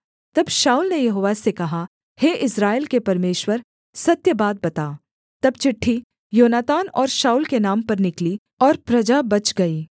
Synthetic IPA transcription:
t̪ɐbʃaːuːlnejɐɦoːʋasekɐɦa | heːʔɪsɾaːelkepɐɾmeːʃwəɾ | sɐt̪jəbaːd̪̚bɐt̪aː | t̪ɐbt͡ʃɪʈʰːi | joːnaːt̪aːnɔːɾʃaːuːlkenaːmpɐɾnɪkli | ɔːɾpɾɐd͡ʒabɐt͡ʃɡɐiː

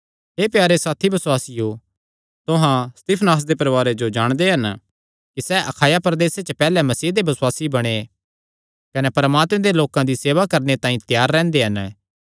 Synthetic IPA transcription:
ɦeːpjaːɾesaːt̪ʰibɐswaːsɪjo | t̪ʊɦãst̪iːpʰnaːs̬d̪epɐɾʋaːɾed͡ʒod͡ʒaːɽ̃d̪eɦɐn | kisɛːʔɐkʰaːjapɾɐd̪eːset͡ʃɐpɛːlɛmɐsiːd̪ebɐswaːsibɐɽ̃e | kɐnepɐɾmaːt̪mẽd̪eloːkãd̪iseːʋakɐɾnet̪ãːĩt̪jaːɾːɛ̃ːnd̪eɦɐn

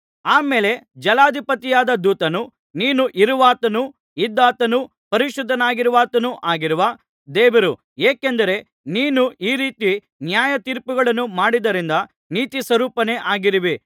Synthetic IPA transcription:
aːme̞ːle̞d͡ʒɐlaːd̪ʱipɐt̪ijaːd̪ɐd̪uːt̪ɐnu | niːnuʔiɾuʋaːt̪ɐnu | id̪ːaːt̪ɐnu | pɐɾiʃud̪ʱːɐnaːɡiɾuʋaːt̪ɐnuʔaːɡiɾuʋɐ | d̪ɛːʋɐɾu | eːkend̪ɐɾe̞ | niːnuiːɾiːt̪i | njaːjɐt̪iːɾpuɡɐɭɐnːumaːɽid̪ɐɾind̪ɐ | niːt̪isʋɐɾuːpɐne̞ʔaːɡiɾiʋi

